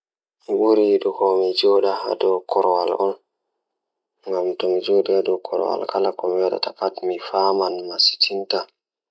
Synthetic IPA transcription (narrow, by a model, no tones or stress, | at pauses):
miɓuɾiɗukɔmid͡ʒɔɗaa̰dɔkɔɾɔwalʔɔ̰n | ŋɡamtɔmid͡ʒɔɗiadɔkʰɔ̰ɾɔ̰wa̰lkalakɔmiwaɗa̰takatmifamanmasi̥tʰinta